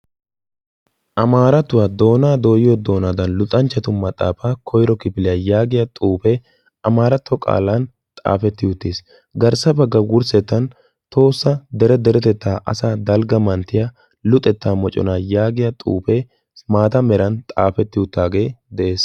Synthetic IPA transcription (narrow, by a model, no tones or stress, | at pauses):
ʔɐmaːɾɐt̪ʊwaːd̪o̞ːnaːd̪o̞ːjɪjɔd̪o̞ːnaːd̪ɐnlʊt̪ʼɐnt͡ʃːɐt̪ʊmɐt̪ʼːa̰ːfaːkʰɔjɾɔkɪpɪlɪjɐjaːɡɪjɐt̪ʼuːpɛ | ʔɐmaːɾɐt̪ʰːɔkʼa̰ːlan | t̪ʼa̰ːfɛt̪ːɪjʊt̪ːeːs | ɡɐɾsɐbɐɡːɐwʊɾsɛt̪ːɐn | t̪o̞ːsːɐd̪ɛɾɛd̪ɛɾɛt̪ɛt̪ːaːʔɐ̰saːd̪ɐlɡɐmɐnt̪ːɪjɐ | lʊt̪ʼːɛt̪ːaːmɔt͡ʃʼɔ̰naːjaːɡɪjɐt̪ʼṵːpɛ | maːt̪ɐmɛɾɐnt̪ʼa̰ːfɛt̪ːɪʊt̪ːaːɡe̞ːd̪ɛʔe̞ːs